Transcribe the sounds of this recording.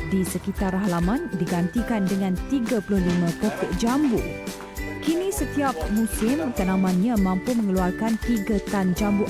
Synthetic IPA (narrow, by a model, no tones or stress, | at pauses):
disəkit̪arɦalamãndiɡant̪ikandəŋãnt̪iɡapulʊhlimãpɔt̪ɪʔd͡ʒambu | kinisət̪iap̚mũsɪmk̪ənãmãnɲãmãmpumə̃ŋəluarkant̪iɡat̪and͡ʒambuʔ